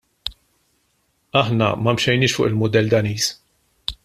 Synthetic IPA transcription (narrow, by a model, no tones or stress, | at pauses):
ɐħnɐ̰mɐmʃɛjnɪːʃfʊ̰ːʔɪlmʊd̪ɛlːd̪ɐniːs